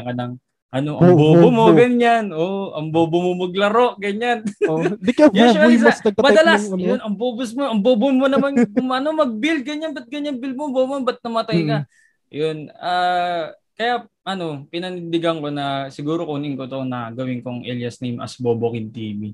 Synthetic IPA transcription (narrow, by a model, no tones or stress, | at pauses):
kɐnɐŋ | ʔɐnoʔɐŋboːbomoɡɐɲanʔoʔɐŋboːbomomɐɡ̚lɐɾo̞ʔɡɐɲand̪ɪjɛʊaɪsasɐmɐd̪ɐlasjonɐŋboːbʊsmoʔɐŋboːbʊnmonɐmankʊŋʔɐnomɐɡ̚bɪlɡɐɲanbɐt̪̚ɡɐɲaŋbɪlmobomonbɐt̪̚nɐmɐt̪ajkɐ | jonaː | kɐja | ʔɐno̞pɪnɐnɪnd̪ɪɡɐŋko̞nɐsɪɡuːɾo̞kuːnɪŋkot̪onɐɡɐwɪŋkoŋʔɛljɐsnɐjmʔɐ̰sboːbokɪnt̪ḭːmi